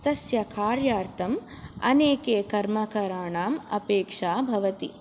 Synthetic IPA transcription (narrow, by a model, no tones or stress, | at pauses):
t̪ɐsjɐkaːɾjaːɾt̪ʰɐm | ɐ̰neːkeːkɐɾmɐkɐɾaːɳaːmɐ̰peːkʂaːbʱɐʋɐt̪ḭ